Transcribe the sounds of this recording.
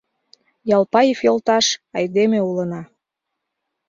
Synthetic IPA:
jɑlˠpɑjifolt̪ɑʃɑjd̪emeulənɑ

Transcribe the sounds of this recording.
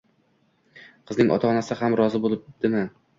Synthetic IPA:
qʰɨznɪŋʔɒ̰t̪ʰaɒnasɪhamɾɒzɪbolˠɪp̚d̪̥ɪmɪ

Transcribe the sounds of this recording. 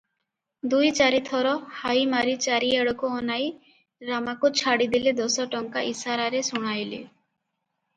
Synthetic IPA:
d̪ujt͡ʃaɾit̪ʰɔɾɔhajmaɾit͡ʃaɾieɽɔkuɔnaj | ɾamakut͡ʃʰaɽid̪iled̪ɔsɔʈɔŋkaʔisaɾaɾesuɽ̃ajlḛ

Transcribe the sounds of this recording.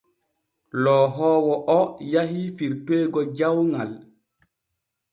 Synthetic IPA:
lɔːɦɔːwɔʔɔjaɦifiɾteːɡɔd͡ʒawŋal

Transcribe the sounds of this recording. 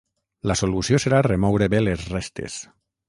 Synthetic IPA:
lasolusioseɾaremɔwɾeβelezrest̪ḛs

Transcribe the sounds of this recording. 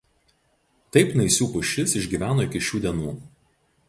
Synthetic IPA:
t̪ɐɪpnɐɪsʲuːpʊʃʲɪsɪʒʲɡʲiːʋʲæːnoːɪkʲɪʃʲuːd̪ʲiɛnuː

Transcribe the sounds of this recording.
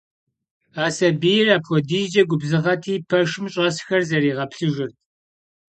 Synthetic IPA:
aːsɐbijɪraːpʰwɔdiːd͡ʒɐɡʷʊbzɨʁɐtʰiːpʰɐʂɨmɕʼɐsxɐrzɐriːʁɐpɬɨʒɪrt̚ʰ

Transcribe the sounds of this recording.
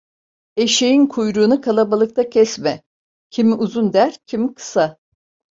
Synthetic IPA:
eʃejinkʰujɾuːnɯkʰalˠabalˠɯk̚t̪ʰacʰɛsmɛ | cʰimiʔuzund̪æɾcʰimikʰɯ̥sa

